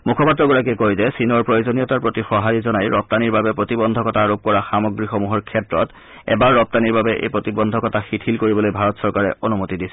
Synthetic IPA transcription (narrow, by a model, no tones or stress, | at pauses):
mukʰɔpatɹɔɡɔɹak̬iɛkojzɛsinɔɹpɹojozonijɔtaɹpɹotixɔɦajizɔnajɹɔp̚t̪aniɹbabɛpɹotibɔnd̪ʱɔkɔtʰaɹop̚kɔɹaxamɔɡɹixomuɦɔɹkʰɛtɹɔt | ɛ̰baɹːɔp̚t̪aniɹbabɛʔḛjpɹotibɔndʱɔkɔtʰaxitʰilkoɹibɔlojbʱaɹɔtsɔɹkaɹɛ̰onumutidisɛ̥